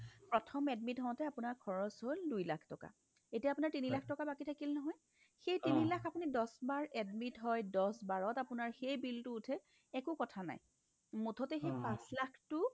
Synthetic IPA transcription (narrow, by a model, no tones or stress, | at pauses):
pɹɔtʰɔmɛdmitɦɔɔ̃tɛapʊnaɹkʰɔɹɔsɦoldujlakʰtɔka̰ | etijapʊnaɹtinilakʰtɔkabakitʰakilnɔɦɔj | xejtinilakapunidɔsbaɹɛdmitɦɔjdɔsbaɹɔtapʊnaɹxejbiltʊːtʰɛ | ɛkukɔtʰana̰j | mutʰɔtɛxejpãslakʰtʊ